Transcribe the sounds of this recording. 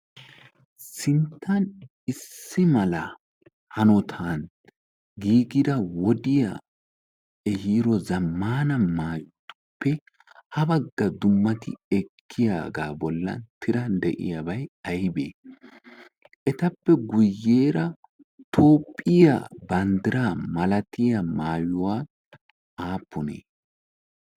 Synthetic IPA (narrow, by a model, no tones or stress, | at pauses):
sɪnt̪ʰːɐn | ɪsːɪmɐlɐ | hɐnɔt̪ʰan | ɡiːɡɪd̪ɐwɔd̪ɪja̰ | ɛhiːɾɔzɐmːaːnɐmaːt̪ʼːʊ̥pːɛ | hɐbɐɡːɐd̪ʊmːɐt̪ɪ̰ɛkʰːɪjaːɡaːbɔlːɐ̰nt̪ʰɪɾɐnd̪ɛʔɪ̰jabɐjɐjbḛː | ʔɛt̪ɐpːɛɡʊjːe̞ːɾɐ | t̪ʰo̞ːpʼːɪja̰bɐnd̪ɪɾaːmɐlɐt̪ɪjɐmaːjʊwaː | aːpːɔnḛː